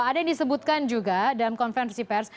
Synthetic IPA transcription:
adajaŋdisəbut̪̚kand͡ʒuɡadalamkɔnfɛnrsipɛrs

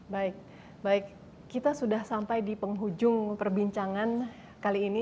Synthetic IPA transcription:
baɪk̚ | baɪk̚ː | it̪asudahsampajdipəŋɦud͡ʒʊŋpərbiɲt͡ʃaŋan | kaliːni

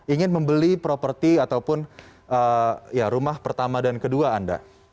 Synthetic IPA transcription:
iŋɪnməmbəlipɾopərt̪iat̪awpʊnʔəːjaɾumahpərt̪amadankəduaːnda̰

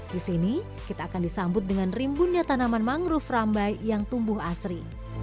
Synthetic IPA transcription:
disini | kit̪aːkandisambʊt̪̚dəŋanrimbunɲat̪anamanmaŋɾʊframbajjaŋt̪umbʊɦasɾi

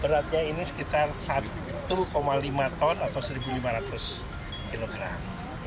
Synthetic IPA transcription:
b̥əɾat̪̚ɲainisə̥kit̪arsat̪ | ukomalimat̪ɔnat̪awsəɾibulimaɾat̪ʊs | kiloɡɾa̰m

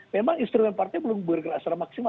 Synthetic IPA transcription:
memaŋinst̪ɾumɛnpart̪ɛbəlʊŋbəərɡərasaɾamaksima

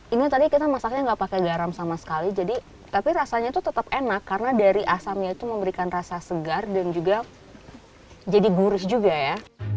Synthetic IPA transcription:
iniat̪adikit̪amasak̚ɲaŋɡapakeɡaɾamsamasə̥kalid͡ʒadi | t̪apiɾasaɲait̪ut̪ət̪apenakːaɾənadaɾiʔasamɲait̪uməmbəɾikanrasasəɡardand͡ʒuɡa | d͡ʒadiɡuɾɪsd͡ʒuɡaja

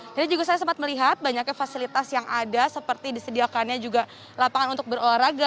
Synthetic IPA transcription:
d͡ʒadid͡ʒuɡas̬ajasampat̪̚məliɦat̪̚baɲakɲafasilit̪asjaŋadasəpərt̪idisədiakanɲad͡ʒuɡa | lapaŋanunt̪ʊk̚bəɾolaɾaɡa

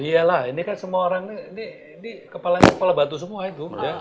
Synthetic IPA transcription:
ijalahinikansəmuaoɾaŋniiniː | nikəpalaɲakəpalabat̪us̬əmuait̪uja

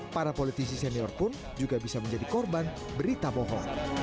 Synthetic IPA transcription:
paɾapolit̪is̬isɛniɔrpʊn | d͡ʒuɡabisaməɲd͡ʒadikɔrban | bəɾit̪abɔɦɔ

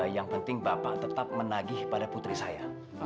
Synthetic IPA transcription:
jaŋpənt̪ɪŋbapaʔt̪ət̪ap̚mənaɡɪhpadaput̪ɾisaja

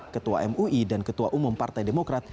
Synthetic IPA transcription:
kət̪ua̰ʔɛmuidankət̪uaʔumʊmpart̪ajdemokɾat̪̚

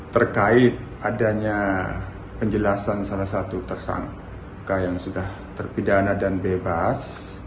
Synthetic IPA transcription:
t̪ərkaɪt̪̚ | adaɲa | pəɲd͡ʒəlasansalahsat̪ut̪ərsa̰ŋk | kajaŋsudah | t̪ərpidanadanbebas

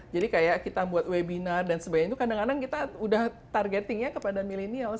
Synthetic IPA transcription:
d͡ʒadikajaʔkit̪abuat̪webinardansəbaɲt̪ukadaŋanaŋkit̪audah | t̪arɡet̪ɪŋjakəpadamilinial

